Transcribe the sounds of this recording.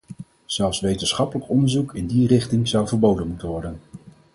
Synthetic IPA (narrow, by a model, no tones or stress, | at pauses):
z̥ɛlˠfsʋejtənsχɑpələkɔndəɹzukʰɪndirɪχtɪŋzʌwvəɹbowdənmutənʋɔɹdən